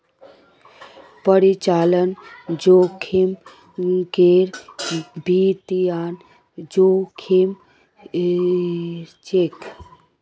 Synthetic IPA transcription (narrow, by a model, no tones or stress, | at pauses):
pəɾit͡ʃaːlənd͡ʒokʰim | keɾbit̪ijaːn | d͡ʒokʰim | t͡ʃekʰ